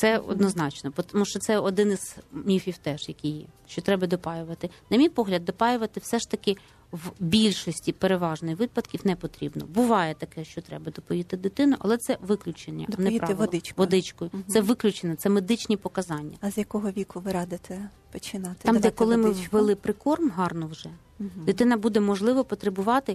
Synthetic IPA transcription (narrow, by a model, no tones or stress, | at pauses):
t̪sɛɔ̰d̪nɔznɑt͡ʃnɔpɔt̪muʃt͡ʃɔt̪sɛɔd̪ɪnɪz̥mnʲifʲiwt̪ɛʒjɐkʲijjɛ̰ʃt͡ʃɔt̪ɾɛbɐd̪ɔpɑjʊʋɐt̪ɪnɐmʲijpɔɦlʲɐd̪ːɔpɑjʊʋɐt̪ɪwsɛʃt̪ɐkɪ | wbʲilʲʃɔsʲtʲipeɾeʋɑʒnɪjʋɪpɐd̪kʲiwnɛpɔt̪ɾʲibnɔ̰bʊʋɑjɛt̪ɐkɛʃt͡ʃɔt̪ɾɛbɐd̪ɔpɔjʲit̪ɪd̪ɪt̪ɪnʊʔɐ̰lˠɛt̪sɛʋɪklʲʊt͡ʃenʲːɐ̰ɐnɛpɾɑlɪt͡ʃkʋɔd̪ɪt͡ʃkɔjʊɛʋɪklʲʊt͡ʃenɛt̪sɛmed̪ɪt͡ʃnʲipɔkɐzɑnʲːɐ̰ɐzʲjɐkɔɦɔʋʲikʊʋɪɾɑd̪ɪt̪ɛ | pɔt͡ʃɪnɑt̪ɑmd̪ɛt̪kɔlˠɪmɪʋelˠɪpɾɪkɔrmɦɑrnɔwʒɛ | d̪ɪt̪ɪnɐbud̪ɛmɔʒlˠɪʋɔpɔt̪ɾebʊʋɑt̪ɪ